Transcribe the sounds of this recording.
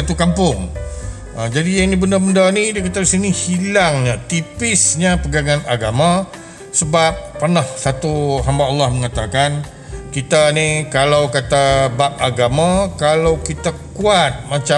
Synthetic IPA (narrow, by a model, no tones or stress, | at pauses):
at̪ukampʊŋ | əd͡ʒadijaŋnibəndəbəndanidikat̪adisinihilaŋɲat̪ipɪsɲapəɡaŋãnaɡamã | səbap̚ːərnahsat̪uɦambaɑlːɑhməŋat̪akan | kit̪anikalawkat̪abap̚aɡamãkalawkit̪akuat̪̚mat͡ʃa